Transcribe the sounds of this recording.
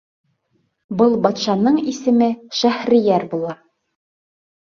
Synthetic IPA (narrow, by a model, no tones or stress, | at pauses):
bɤlˠbɑt̪ʃɑnɤɴisɘ̆mɘʃæhɾĭjæɾbulˠɑ